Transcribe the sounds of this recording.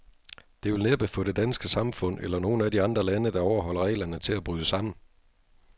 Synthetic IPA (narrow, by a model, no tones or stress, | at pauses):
d̥e̝ʋe̝lneb̥əfɒ̽ɾ̥e̝d̥ænsɡ̥əsɑ̈mfɔ̽n̰elɐno̝ːn̩ædiɑ̈nd̥ʁɐlænəd̥ɑ̈ɒʊɐɦɒ̽l̰ɐʁɛ̰ɪlɐnət͡sʰe̝læb̥ʁyːðˠəsɑ̈m̰n̩